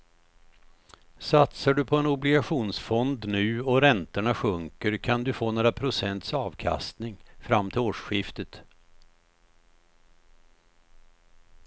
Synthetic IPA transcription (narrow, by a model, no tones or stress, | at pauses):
sat̪saɖɵpʰɔɛnʊblɪɡaɧuːnsfɔnd̪nʉ̟ːɔɾɛnt̪əɳaɧɵŋkəɾkʰand̪ɵfoːnoːɾapʰɾʊsɛnt̪sɑːvkʰa̰st̪nɪŋfɾamːt̪ʰɪloːʂɧɪft̪ət̪